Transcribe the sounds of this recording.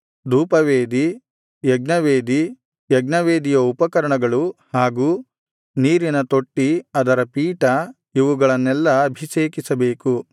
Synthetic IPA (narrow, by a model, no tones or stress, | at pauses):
d̪uːpɐʋeːd̪i | jɛɡnɐʋeːd̪i | jɛɡnɐʋeːd̪ijɐupɐkɐɾɐɳɐɡɐɭuhaːɡuː | niːɾinɐt̪o̞ʈːiɐd̪ɐɾɐpiːʈɐ | iʋuɡɐɭɐnːɛlːɐːbʱiseːkisɐbeːku